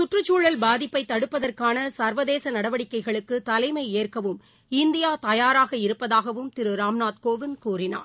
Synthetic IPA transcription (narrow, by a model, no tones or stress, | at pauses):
sʊʈrɯt͡ʃːuːɭɐlbaːðɪpːɐɪt̪ːɐɽɯpːɐðɐrkaːnɐsɐɾʋɐðeːsɐnɐɽɐʋɐɽɪkːɐɪɣɐɭɯkːɯt̪ɐlɐɪmɐɪeːrkɐʋɯm | ɪnd̪ɪjaːt̪ɐjaːɾaːɣɐɪɾɯpːɐðaːɣɐʋɯmt̪ɪɾɯɾaːmnaːt̪koːʋɪnkuːrɪna̰ːɾ